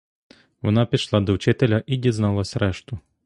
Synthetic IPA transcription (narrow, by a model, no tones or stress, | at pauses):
vɔnapʲiʃlˠad̪ɔwt͡ʃɪt̪ɛlʲɐʔid̪ʲɛznalˠɐsʲɾɛʂt̪ʊ